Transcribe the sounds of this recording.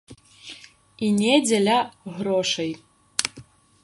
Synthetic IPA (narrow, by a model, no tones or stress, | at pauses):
inʲɛd͡zʲɛlʲaɣɾɔʂɐj